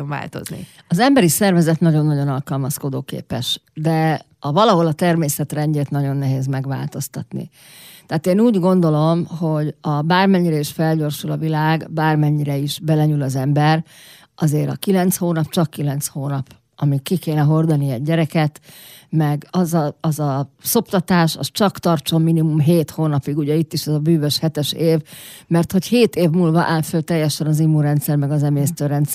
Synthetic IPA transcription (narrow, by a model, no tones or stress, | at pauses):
va̰ːlt̪o̰znḭ | ɒzɛmbɛɾisɛrvɛzɛt̪nɒɟo̞nːɒɟo̞nɒlkɒlmɒsko̞d̪oːkḛːpɛʃd̪ɛ | ɒvɒlɒɦo̞lɒt̪ɛrmeːsɛt̪rɛɲɟeːt̪nɒɟo̞nːɛɦeːzmɛɡʋa̰ːlt̪o̞st̪ɒt̪nḭ | t̪ɛaːt̪eːnuːɟɡo̞nd̪o̞lo̞mho̞ɟɒbaːrmɛɲːiɾɛiʃfɛlɟo̞rʃulɒvilaːɡbaːrmɛɲːiɾɛiʃbɛlɛɲylɒzɛmbɛr | ɒzeːɾɒ̰kilɛnt̪shoːnɒpt͡ʃɒkːilɛnt̪shoːnɒp | ɒmikːikeːnɛɦo̞rd̪ɒniɛɟːɛɾɛkɛt̪mɛɡɒzɒɒzɒso̞pt̪ɒt̪aːʃɒ̰st͡ʃɒkt̪ɒrt͡ʃo̞mːinimumɦeːt̪hoːnɒpiɡuɟɛit̪ːiʃɛzɒbyːvøʃhɛt̪ɛʃeːvmɛrt̪ho̞cheːt̪eːvmuːlvɒʔaːlføːt̪ɛjːɛʃɛnɒzimuɾɛnt̪sɛrmɛɡɒzɛmeːst̪øːɾɛnt̪s